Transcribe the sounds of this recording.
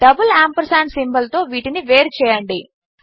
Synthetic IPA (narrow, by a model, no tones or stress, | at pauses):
ɖɐbulaːmpɐɾsaːnsimbɐlt̪o̞ːʋiːʈiniʋeːɾt͡ʃɛːjɐɳɖi